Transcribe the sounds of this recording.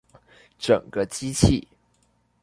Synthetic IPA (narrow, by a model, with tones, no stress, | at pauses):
ʈ͡ʂə˨˩ŋɡə˦t͡ɕi˥t͡ɕʰi˥˩